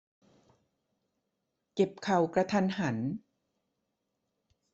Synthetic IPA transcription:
ke˨˩p̚kʰa˨˩wkɾa˧t̪ʰa˧nɦa˩˦n

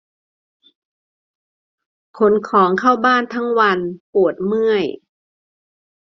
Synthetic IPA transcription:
kʰo˩˦˥nkʰɔː˩˦ŋkʰa˥˩wbaː˥˩nt̪ʰa˦˥ŋwa˧npu˨˩ət̪̚mɯ˥˩əj

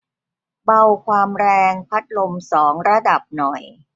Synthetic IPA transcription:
ba˧wkʰwaː˧mɾɛː˧ŋpʰa˦˥t̪̚lo˧msɔː˩˦ŋɾa˧da˨˩p̚nɔ˨˩j

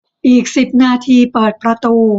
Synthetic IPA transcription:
ʔiː˨˩k̚si˨˩p̚naː˧t̪ʰiː˧pɤː˨˩t̪̚pɾa˧t̪uː˧

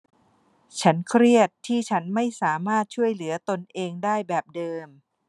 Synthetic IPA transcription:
t͡ɕʰa˦˥nkʰɾi˥˩ət̪ʰːiː˥˩t͡ɕʰa˦˥nma˥˩jsaː˩˦maː˥˩t̪̚t͡ɕʰu˥˩əjlɯ˩˦ɐt̪o˧nʔeː˧ŋdaː˥˩jbɛː˨˩p̚dɤː˧m

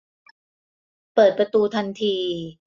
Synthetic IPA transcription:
pɤː˨˩t̪̚pɾa˧t̪uː˧t̪ʰa˧nt̪ʰiː˧

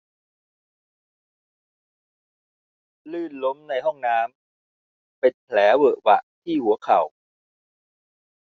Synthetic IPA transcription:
lɯː˥˩nlo˦˥mna˧jɦɔ˥˩ŋnaː˦˥m | pe˧npʰlɛː˩˦wɤː˨˩ʔwa̰˨˧˩ʔt̪ʰiː˥˩hu˨˩˦ɐkʰa˨˩w

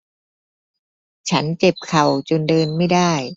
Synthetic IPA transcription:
t͡ɕʰa˦˥nt͡ɕe˨˩p̚kʰa˨˩wt͡ɕo˧ndɤː˧nma˥˩jdaː˥˩j

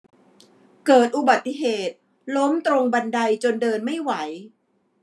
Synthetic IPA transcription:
kɤː˨˩t̪̚ʔu˨˩ba˨˩t̪ːi˧˩ɦeː˨˩t̪̚ | lo˦˥mt̪ɾo˧ŋba˧nda˧jt͡ɕo˧ndɤː˧nma˥˩jwa˩˦j

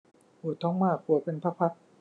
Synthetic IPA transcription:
ʔuː˨˩t̪ʰɔː˦˥ŋmaː˥˩k̚u˨˩ɐpe˧npʰa˦˥pʰa˦˥t̪̚

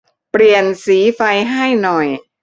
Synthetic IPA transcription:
pɾi˨˩ənsiː˩˦fa˧jɦa˥˩jnɔ˨˩j

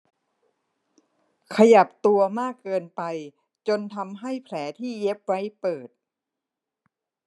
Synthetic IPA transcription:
kʰa˧ja˨˩p̚t̪u˧ɐmaː˥˩kːɤː˧npa˧j | t͡ɕo˧nt̪ʰa˧mɦa˥˩jpʰlɛː˩˦t̪ʰiː˥˩je˦˥p̚wa˦˥jpɤː˨˩t̪̚

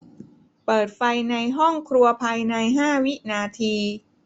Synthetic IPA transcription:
pɤː˨˩t̪̚fa˧jna˧jɦɔ˥˩ŋkʰɾu˧ɐpʰa˧jna˧jɦaː˥˩wi˦˥ʔnaː˧t̪ʰiː˧

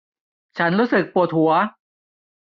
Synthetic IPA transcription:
t͡ɕʰa˦˥nɾuː˦˥sɯ˨˩k̚pu˨˩ət̪̚hu˩˦ɐ

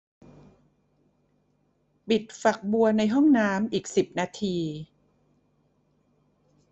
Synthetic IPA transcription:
pi˨˩t̪̚fa˨˩k̚bu˧ɐna˧jɦɔ˥˩ŋnaː˦˥mʔiː˨˩k̚si˨˩p̚naː˧t̪ʰiː˧

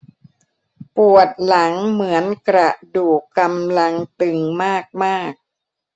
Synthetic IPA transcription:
pu˨˩ət̪̚la˩˦ŋmɯ˩˦ənkɾa˨˩duː˨˩kːa˧mla˧ŋt̪ɯ˧ŋmaː˥˩k̚maː˥˩k̚

